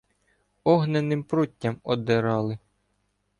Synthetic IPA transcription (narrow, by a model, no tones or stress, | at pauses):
ɔɦnenɪmpɾutʲːɐmɔd̪ɪɾɑlˠɪ